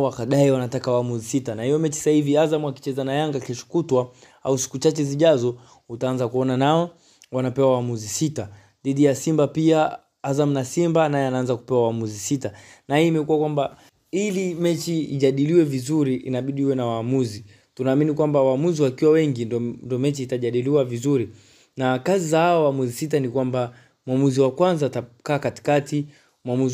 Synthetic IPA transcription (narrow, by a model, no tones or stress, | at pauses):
wakaɗaiwanatakawaːmuzisitanahijɔmɛt͡ʃi̥sahiviazamuaki̥t͡ʃɛzanajaŋɡakɛʃu̥kutwa | ausi̥kut͡ʃat͡ʃɛziʄazɔ | utaanzakuɔnanaɔ | wanapɛwawaːmuzisita | ðiɗijasimbapia | azamunasimbanajɛanaanzaku̥pɛwawaamuzisita | nahiːmɛkuwakwamba | ilimɛt͡ʃiiʄaɗiliwɛvizuɾiʔːnaɓiɗiiwɛnawaːmuzi | tunaːminikwambawaːmuziwakiwawɛŋɡindndiɔmɛt͡ʃiːtaʄaɗiliwavizuɾi | nakazizahaɔwamuzisit̬anikwamba | mwamuziwakwanzatakaːkati̥kati | mwamuz